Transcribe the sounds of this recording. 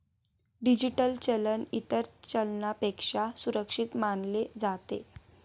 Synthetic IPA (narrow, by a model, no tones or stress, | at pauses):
ɖid͡ʑiʈəlt͡ɕələnit̪əɾt͡ɕəlnapekʂasuɾəkʂit̪manled͡zat̪ḛ